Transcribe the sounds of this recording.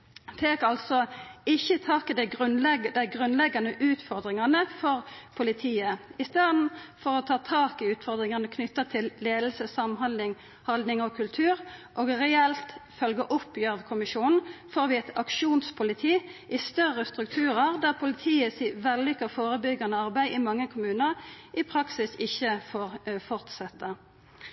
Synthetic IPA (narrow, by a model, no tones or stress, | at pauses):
feːkɑlsɔɪçːət̪ʰɑːkɪd̪ɛɡʁʉnlɛɡd̪ɛɪɡʁʉnlɛɡːɑnəʔʉːt̪fɔʁd̪ʁɪŋɑnəfɔʁpʰʊlɪt̪ʰiːəɪst̪eːd̪n̩fɔʁɔt̪ʰɑːt̪ʰɑːkɪʉːt̪fɔʁd̪ʁɪŋɑnəkʰnʏt̪ːət̪ʰɪlːeːd̪l̩səsɑmɦɑnd̪ɪŋ | hɑld̪nɪŋɔkʰʉlt̪ʰʉːɾʔoːɡʁɛɛlt̪fœlɡəʔʊpjøːʋkʰʊmɪʃuːnn̩foːʁʋɪɛt̪ɑkʂuːnspʰʊlɪt̪ʰiːʔɪst̪œʁːəst̪ʁʉk̚t̪ʰʉːʁəʁd̪æːʁpʰʊlɪt̪ʰiːəsiːʋɛlːʏkːəfoːʁəbʏɡɑnəɑʁbæɪʔɪmɑŋːəkʰʊmʉːnəʁʔɪpʰʁɑksɪsɪçːəfoːʁfɔʁt̪sɛt̪ːə